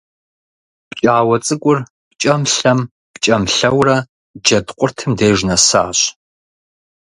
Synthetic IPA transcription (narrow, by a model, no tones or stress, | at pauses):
pt͡ʃʼaːwɐt͡sʼɨkʷʼʊr | pt͡ʃʼɐmɬɐm | pt͡ʃʼɐmɬɐwrɐ | d͡ʒɐdqʷʼʊrtʰɨmdeːʒnɐsa̰ːɕ